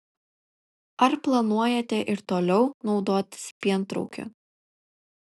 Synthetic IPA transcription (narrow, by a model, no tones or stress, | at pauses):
ɐɾplˠɐnuɔjɛt̪ʲɛʔɪɾt̪oːlʲɛʊnɒʊd̪oːt̪ʲspʲiɛnˑt̪ɾɔ̰ʊkʲʊ̰